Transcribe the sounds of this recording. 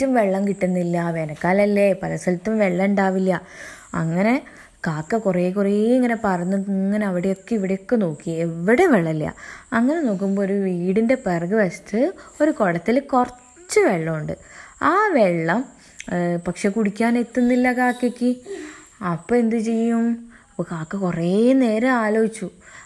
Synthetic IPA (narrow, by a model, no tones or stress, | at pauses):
tːumʋe̞ɭːɐmkiʈːunːilːɐʋenɐkːaːlɐlːepɐlɐsɐlt̪ːɐmʋe̞ɭːɐuɳɖaːʋilːɐ | ɐ̰ŋːɐne̞ | kaːkːɐkure̞ːkureːeŋːɐne̞pɐrɐnːuŋːɐneɐʋiɽejo̞kːeiʋiɽejo̞kːe̞no̞ːkːieʋiɽeʋeɭːɐlːjɐ̰ɐŋːɐneno̞ːk̬ːumboːoɾuʋiːɽinde̞perɡɨʋɐst̪ɨo̞ɾuko̞ɭɐt̪ːilkorɐ | t͡ɕːɨʋeɭːɐuɳɖɨaːʋeɭːɐm | pɐkʂe̞kuɽikʲːaːne̞t̪ːunːilːɐkaːkːekʲːi | ɐpːoend̪ɨt͡ɕe̞jːum | ɐpːokaːkːɐkureːne̞ːɾɐaːlo̞ːit͡ɕːu